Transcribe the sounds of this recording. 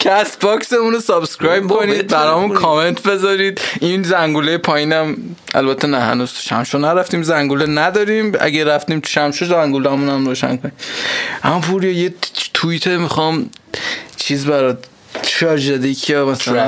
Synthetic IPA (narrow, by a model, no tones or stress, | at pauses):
kʰæst̪bɒkseunosɒbskɾɒːjb̚kʰo̞niːd̪̚bæɾɒmunkʰɒme̞nt̪ʰbe̞zɒɾiːd̪inzæŋɡulejepʰɒːjinæm | æ̰lbæt̪ʰːenæhæ̰nuz̥ʃæ̰mʃonæɾæft̪iːmzæŋɡulenæd̪ɒːɾiːmæ̰ɡæɾæft̪iːmt̪ʰu̥ʃæmʃozæŋɡulæmunæmɾoːʃæ̰ŋkʰonimʔæmɔpʰuɾijɒjet̪ʰuit̪ʰemixɒm | t͡ʃʰiːzbæɾɒ | ʃɒɾʒed̪ekʰimæs